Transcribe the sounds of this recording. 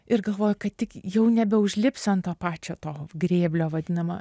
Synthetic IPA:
ɪrɡɐlˠʋoːjʊkɐt̪t̪ʲɪkjɛʊnʲɛbʲɛʊʒʲlʲɪpʲsʲɛnt̪oːpɑːt͡ʃʲoːt̪oːɡɾʲeːbʲlʲoːʋɐd̪ʲɪnɐmɐ̰

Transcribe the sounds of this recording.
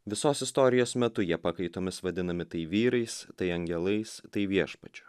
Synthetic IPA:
ʋʲɪsoːsɪst̪oːɾʲɪjoːsmʲɛt̪ʊjiɛpɑːkɐɪt̪oːmʲɪsʋɐd̪ʲɪnɐmʲɪt̪ɐɪʋʲiːɾɐɪst̪ɐɪɐŋʲɡʲɛlˠɐɪst̪ɐɪʋʲiɛʃpɐt͡ʃʲʊ

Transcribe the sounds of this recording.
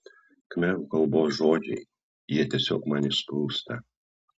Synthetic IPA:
kmʲɛʋukɐlˠboːsʒoːd͡ʒʲɛɪ | jiɛt̪ʲiɛsʲo̰ːkmɑnʲɪʃpɾuːst̪ɐ

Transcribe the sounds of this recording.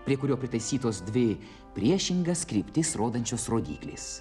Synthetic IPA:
pʲɾʲiɛkʊɾʲoːpʲɾʲɪt̪ɐɪsʲiːt̪oːsd̪ʲʋʲɪ | pʲɾʲiɛʃʲɪŋɡɐskɾʲiːpʲt̪ʲɪsɾoːd̪ɐnʲt͡ʃʲoːsɾoːd̪ʲḭːklʲḛːs

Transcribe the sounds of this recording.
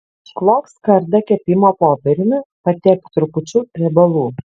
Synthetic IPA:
ʃklˠoːkskɐɾd̪ɐkʲɛpʲɪmoːpoːpʲɛɾʲɪmʲɪpɐt̪ʲɛk̚t̪ɾʊpʊt͡ʃʲʊɾʲɛbɐlˠuː

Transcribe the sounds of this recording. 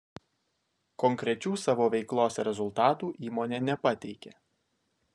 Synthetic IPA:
kɔŋʲkɾʲɛt͡ʃʲuːsɑːʋoːʋʲɛɪklˠoːsʲɛɾʲɛzʊlˠt̪ɑːt̪uːʔiːmoːnʲeːnʲɛpɐt̪ʲɛɪkʲeː

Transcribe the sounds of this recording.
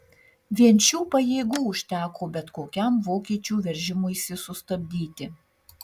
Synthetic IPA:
ʋʲiɛnʲt͡ʃʲuːpɐjeːɡuːʊʃʲt̪ʲæːkoːbʲɛt̪koːkʲɛmʋoːkʲiɛt͡ʃʲuːʋʲɛɾʲʒʲɪmʊɪsʲɪsʊst̪ɐbʲd̪ʲiːt̪ʲɪ

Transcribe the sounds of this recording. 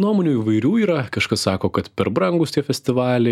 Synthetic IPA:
nuɔmoːnʲuːiːʋɐɪɾʲuːiːɾɐkɐʃkɐssɑːkoːkɐt̪pʲɛɾbɾɐŋɡʊst̪ʲiɛfʲɛsʲt̪ʲɪʋɑːlʲɛ

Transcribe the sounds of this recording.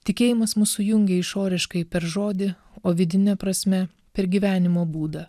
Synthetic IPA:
t̪ʲɪkʲeːjɪmɐsmʊsʊjʊŋʲɡʲeɪʃoːɾʲɪʃkɐɪpʲɛɾʒoːd̪ʲɪ | oːʋʲɪd̪ʲɪnʲɛpɾɐsʲmʲɛ | pʲɛɾɡʲiːʋʲæːnʲɪmoːbuːd̪ɐ

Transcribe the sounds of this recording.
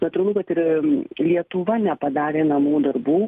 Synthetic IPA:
nɐt̪uːɾɐlˠukɐt̪ɪɾlʲiɛt̪ʊʋɐnʲɛpɐd̪ɑːɾʲeːnɐmuːd̪ɐrbuː

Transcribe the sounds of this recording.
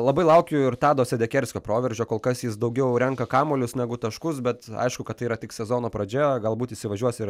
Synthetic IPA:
lˠɐbɐɪlˠɐʊkʲʊɪɾt̪ɑːd̪oːsʲɛd̪ʲɛkʲɛɾʲsʲkʲoːpɾoːʋʲɛɾʲd͡ʒʲoːkoːlˠkɐsjɪsd̪ɐʊɡʲɛʊɾʲɛŋkɐkɑːmoːlʲʊsnʲæɡʊt̪ɐʃkʊs̬bʲɛt̪ɐ̰ɪʃkʊkɐt̪ːɐɪiːɾɐtʲɪksʲɛzoːnoːpɾɐd͡ʒʲɛɡɐlˠbuːt̪ɪsʲɪʋɐʒʲuɔsʲɪɾ

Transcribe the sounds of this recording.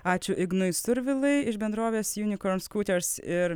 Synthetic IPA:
ɑːt͡ʃʲʊʔɪɡnʊɪst̪ʊɾʲʋʲɪlˠɐɪɪʃbʲɛnd̪ɾoːʋʲeːsjuːnʲɪkoɾnskuːt̪ʲɛɾsɪɾ

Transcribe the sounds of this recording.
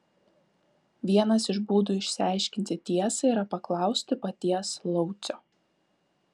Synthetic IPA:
ʋʲiɛnɐsɪʒbuːd̪uːɪʃʲsʲɪɑˑɪʃʲkʲɪnʲt̪ʲɪt̪ʲiɛsɐɪɾɐpɐklˠɑˑʊsʲt̪ʲɪpɐt̪ʲiɛslˠɔʊt̪sʲɔː

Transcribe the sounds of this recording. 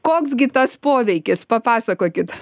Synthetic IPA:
koːksɡʲɪt̪ɐspoːʋʲɛɪkʲɪspɐpɑːsɐkoːkʲɪt̪

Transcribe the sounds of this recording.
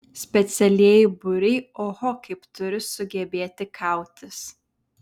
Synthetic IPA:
sʲpʲɛt̪sʲɛlʲiɛjɪbʊɾʲɛɪoːhɔkɐɪpt̪ʊɾʲɪsʊɡʲɛbʲeːt̪ʲɪkʰɑˑʊt̪ʲɪs

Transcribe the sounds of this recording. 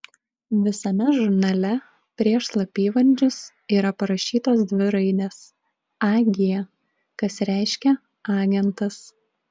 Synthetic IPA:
ʋʲɪsɐmʲɛʒʊɾnɐlʲɛ | pʲɾʲiɛʃslˠɐpʲiːʋɐɾʲd͡ʒʲʊs | iːɾɐpɐɾɐʃʲiːt̪oːsd̪ʲʋʲɪɾɐɪd̪ʲeːs | ɑːɡʲɪjɛ | kɐsɾʲæˑɪʃʲkʲɛ | ɑːɡʲɛnt̪ɐs

